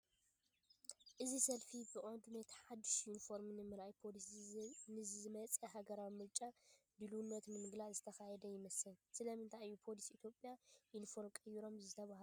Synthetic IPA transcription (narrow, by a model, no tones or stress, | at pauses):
ʔɨzisɐlfibɨʔʼond̪unɐt̪ʰi̥ħad̪ɨʃjunifo̞ɾmnɨmɨɾajpʰolisnɨzzɨmɐt͡sʼɐɦaɡɐɾawimɨɾt͡ʃʼab̪ɨlunːɐt̪nɨmɨɡlaʕzɨt̪ʰɐxajɛd̪ɐjɪmɐsɨlsɨlɐmɨnt̪ʰajːupʰo̞lisiit̪ʰjopʼjajunifo̞ɾmkʼɐjːiɾo̞mzɨt̪ʰɐβahl